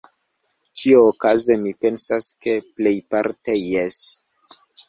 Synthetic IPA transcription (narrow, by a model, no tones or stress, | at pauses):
t͡ʃioːkazemipe̞nsaske̞ple̞jpaɾtejes